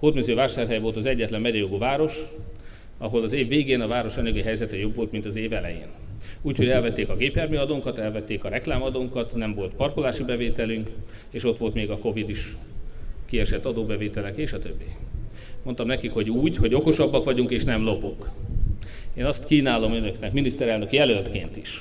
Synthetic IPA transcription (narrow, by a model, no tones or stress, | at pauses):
hoːt̪myziovaːʃaːrɦɛjvo̞lt̪ɒzɛɟːɛt̪lɛmːɛɟɛjoɡovaːɾo̞ʃ | ɒɦo̞lɒzeːvːeːɡeːnɒvaːɾo̞ʃɒɲɒɡiɦɛjzɛt̪ɛjo̞bvo̞lt̪mint̪ɒzeːvɛlɛ̰jḛːn | uːcʰhoɟɛlvɛt̪ːeːkɒɡeːpjɛrmiɒd̪oːŋkɒt̪ɛlvɛt̪ːeːkɒɾɛklaːmɒd̪oːŋkɒt̪nɛɱvo̞lt̪pɒrkolaːʃibɛveːt̪ɛlyŋkeːʃo̞t̪ʋo̞lt̪meːɡɒko̞vid̪iʃ | kiɛʃɛt̪ːɒd̪oːbɛveːt̪ɛlɛkeːʃɒt̪øbːi | mo̞nt̪ɒmnɛkikho̞ɟuːɟho̞ɟo̞ko̞ʃɒbːɒkʋɒɟuŋkeːʃnɛmlo̞poŋk | eːnɒst̪kiːnaːlo̞mønøknɛkminist̪ɛɾɛlnø̞kijɛlølt̪keːnt̪iʃ